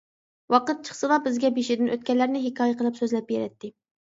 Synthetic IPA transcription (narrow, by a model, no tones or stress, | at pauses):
wɑqət̪̚t͡ʃʰə̥χsɨlˠɑbɪzɡʲɛbeʃɪd̪ɪnʔøt̪̚kʲɛlːæɾnɪɦɪkʲʰɑːjɛqʰəlˠɨpsøzlɛp̚beɾɛt̪ːɪ